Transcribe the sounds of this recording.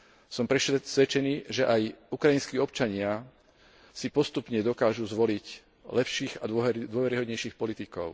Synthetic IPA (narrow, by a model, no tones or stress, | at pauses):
sɔmpɾɛsʋɛt͡ʃɛniːʒɛʔajukɾainskiːɔpt͡ʃaɲɪa | sipɔst̪upɲɛd̪ɔkaːʒuzʋɔlic | lɛpʃiːɣad̪d̪ʊɔʋɛɾiɦɔd̪ɲɛjʃiːxpɔlit̪ikɔ̰ʊ